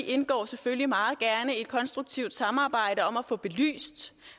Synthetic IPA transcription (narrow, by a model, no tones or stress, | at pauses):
ʔe̝nɡ̥ɒ̰ːseføllimɑ̈ːð̞̩ˠɡ̥æɐnəe̝d̥̚kʰɒ̽nsd̥ʁuɡ̥̚t͡sʰiʊd̥sɑ̈mɑ̈ːb̥ɑ̈ɪ̰ɾəɒ̽mæfɔ̽b̥e̝ly̰ːsd̥